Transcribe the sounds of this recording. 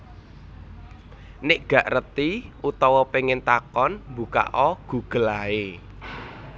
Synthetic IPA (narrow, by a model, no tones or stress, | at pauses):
nɪʔɡ̥ä̤ʔrət̪iʔut̪ɔwɔpeŋɪnt̪akɔnmbuka̰ʔɔɡ̥ṳɡ̥əlae